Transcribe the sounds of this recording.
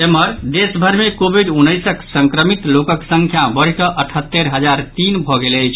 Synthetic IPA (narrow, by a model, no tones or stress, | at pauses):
eməɾd̪esbʱəɾmekobʱiɖunːəjsəksəŋkɾəmit̪lokəksə̃ŋkʰjabəɽ̤kəʔəʈʰət̪ːeɾɦəd͡ʒaɾt̪inbʱɔɡeləjt͡ʃʰ